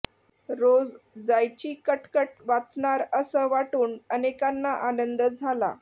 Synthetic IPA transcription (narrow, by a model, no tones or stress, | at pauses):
ɾod͡zd͡zajt͡ɕiːkəʈkəʈ̚ʋat͡sɳaɾəsəʋaʈuːnənekanːaʔanənd̪əd͡zʱala̰